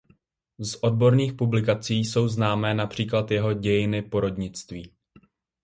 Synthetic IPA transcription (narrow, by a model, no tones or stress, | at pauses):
zʔo̞d̚bo̞ɾniːxpublɪkat͡siːso̞wznaːmɛːnapr̝̥iːklat̪jɛɦo̞ɟɛjɪnɪpo̞ɾo̞dɲɪt͡st̪viː